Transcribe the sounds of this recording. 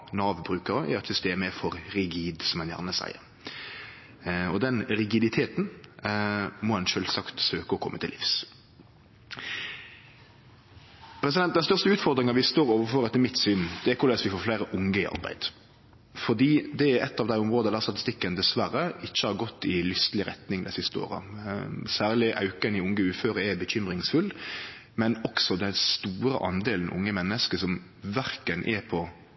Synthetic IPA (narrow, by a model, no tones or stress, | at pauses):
nɑːʋbɾʉːkəɾəʔɛ̰ɾɛt̪sʏst̪eːməɛfɔɾɾɪɡiːd̪sɔmɛnjæ̰ʁnəsæ̰ɪə̰ɾ | ɔd̪ɛnɾɪɡɪd̪ɪt̪ʰeːt̪n̩ | mɔɛnʃœlsɑkt̪søːkəɔkʰɔ̰mːət̪ʰɪlʔɪ̰fs | pʰɾɛs̬ɪd̪ɛnt̪̚d̪ɛnst̪œʁʂt̪əʉːt̪fɔʁd̪ɾɪŋɑʋɪst̪oːɾoːʋəfɔɾɛt̪ːəmɪt̪sʏnd̪̥ɛɛkʰʊlɛːsʋɪfoːflæɪɾəʔʊŋəɪɑ̰ʁbæ̰ɪd̪̥ | fɔd̪iːd̪ɛɛ̰t̪ːɑːʋd̪æɪʊmʁoːd̪əd̪æːʁst̪ɑt̪ɪst̪ɪkːənd̪ɛsʋæɾəɪçːəhɑɾɡɔt̪ːɪlʏst̪əlɪɾʁɛt̪nɪŋd̪æ̰sɪst̪əo̰ːʁə̰sæːʁlɪʔɑ̰ʉkənɪʊŋɡəʉːføːɾəɛbəçʏmɾɪŋsfʉl | mɛnɔksɔd̪ɛnst̪uːɾə̰ʔɑnd̪eːln̩ʔʊ̰ŋːəmɛnːəskəsɔm | ʋæɾkənʔɛ̰pʰɔ